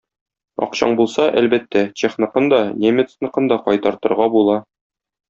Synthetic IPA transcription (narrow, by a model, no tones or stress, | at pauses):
ɒ̰qɕɑ̰ɴbulˠsɑʔælbæt̪ːæt̪ʲeχnɤ̆qɤnd̪ɒnʲemʲɘt̪snɤ̆qɤnd̪ɒqɒjt̪ɑɾt̪ɤ̆ɾʁɑbulˠɑ